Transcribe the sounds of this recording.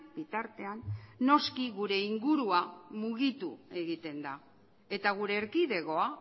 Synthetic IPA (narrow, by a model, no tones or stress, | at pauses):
b̥it̪aɾt̪e̞anːo̞skiɣuɾe̞iŋɡuɾuamuɣ̞it̪ue̞ɣit̪e̞nd̪a | e̞t̪aɣ̞uɾe̞ːɾkiðe̞ɣo̞a